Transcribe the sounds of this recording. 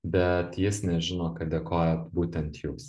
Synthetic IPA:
bʲɛt̪jɪsnʲɛʒʲɪnoːkɐtd̪ʲekoːjɛːt̪buːt̪ʲɛnt̪juːs

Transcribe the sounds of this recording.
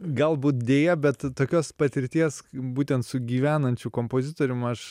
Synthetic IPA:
ɡɐlˠbuːt̪̚d̪ʲeːjɛbʲɛt̪toːkʲoːspɐt̪ʲɪɾʲt̪ʲiɛsbuːt̪ʲɛnt̪sʊɡʲiːʋʲæːnɐnʲt͡ʃʲʊkoːmpoːzʲɪt̪oːɾʲʊmɐʃ

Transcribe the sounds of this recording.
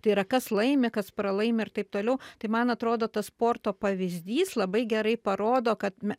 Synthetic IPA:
t̪ɐɪɾɐkɐslˠɐɪmʲɪkɐspɾɐlˠɐɪmʲɪɪrt̪ɐɪp̚t̪oːlʲɛʊt̪ɐɪmɐnɐt̪ɾoːd̪oːt̪ɐsspoːrt̪oːpɐʋʲɪzʲd̪ʲiːslˠɐbɐɪɡʲɛɾɐɪpɐɾoːd̪oːkɐt̪mʲɛ

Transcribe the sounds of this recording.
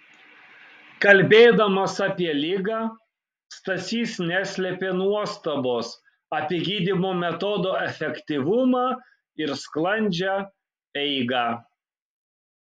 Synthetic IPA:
kɐlʲbʲeːd̪ɐmɐsɑːpʲiɛlʲɪɡɑː | st̪ɐt̪sʲiːsnʲæːsʲlʲɛpʲeːnuɔst̪ɐboːs | ɐpʲiɛɡʲiːd̪ʲɪmoːmʲɛt̪ɔd̪oːɛfʲɛkʲt̪ʲiʋʊmɑː | ɪɾsklˠɐnʲd͡ʒʲæ | ɛɪɡɑː

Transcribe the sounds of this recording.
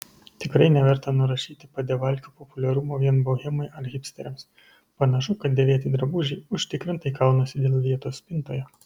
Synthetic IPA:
t̪ʲɪkɾɐɪnʲɛʋʲɛɾt̪ɐnʊɾɐʃʲiːt̪ʲɪpɐd̪ʲɛʋɐlʲkʲuːpɔpʊlʲɛɾʊmoːʋʲiɛnbɐʊɣʲɪmɐɪʔɐɾɣʲɪpʲst̪ʲɛɾʲɛms | pɐnɐʃʊkɐt̪̚d̪ʲeːʋʲeɛt̪ʲiːd̪ɾɐbʊʒʲɛɪʊʃʲt̪ʲɪkɾʲɪnt̪ɐɪkɐʊnɐsʲɪd̪ʲeːlˠʋʲiɛt̪oːsʲpʲɪnt̪oːjɛ

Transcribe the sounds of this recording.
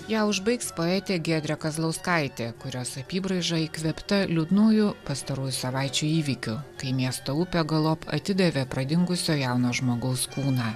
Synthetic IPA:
jæːʊʒbɐɪkspoːɛːt̪ʲeːɡʲiɛd̪ʲɾʲɛkɐzlˠɐʊskɐˑɪt̪ʲeːkʊɾʲoːsɐpʲiːbɾɐɪʒɑiːkʋʲɛpt̪ɐlʲud̪nuːjʊpɐst̪ɐɾuːjʊsɐʋɑˑɪt͡ʃʲuːiːʋʲikʲʊkɐɪmʲiɛst̪oːʊpʲɛɡɐlˠoːpɐ̰t̪ʲɪd̪ɐʋʲeːpɾɐd̪ʲɪŋɡʊsʲoːjaˑʊnoːʒmoːɡɐʊskuːnɑː

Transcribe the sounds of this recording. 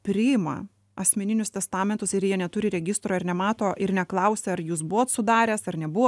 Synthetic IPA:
pʲɾʲɪɪmɐ̰ | ɐsʲmʲɛnʲɪnʲʊst̪ʲɛst̪ɑːmʲɛnt̪ʊsɪɾjiɛnʲɛt̪ʊɾʲɪɾʲɛɡʲɪst̪ɾoːɪɾnʲɛmɑːt̪oːʔɪɾnʲɛklˠɐʊsʲeːɐɾjuːs̬bʊʋoːt̪sʊd̪ɑːɾʲɛːsɐɾnʲɛbʊʋo

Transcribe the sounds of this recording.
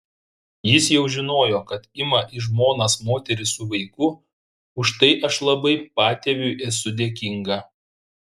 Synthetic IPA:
jɪsjɛʊʒʲɪnoːjoːkɐt̪ɪmɐʔɪʒmoːnɐsmoːt̪ʲɛɾʲɪsʊʋɐɪkʊ | ʊʃt̪ɐɪʔɐʃlˠɐbɐɪpɑːt̪ʲeʋʲʊʔɛsʊd̪ʲeːkʲɪŋɡɐː

